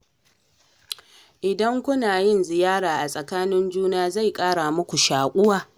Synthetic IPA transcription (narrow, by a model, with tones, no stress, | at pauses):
ʔɪ˨dɐ˦ŋkʷʊ˦naː˨jɪ˦nzɪ˨jaː˦ɽaː˨ʔa˨sʼɐ˨kaː˦nɪ˦nd͡ʒuː˦naː˦za˦˨jkʼaː˦ɽa˨mʊ˦kʷu˨ʃaː˨kʷʼʊ˦waː˨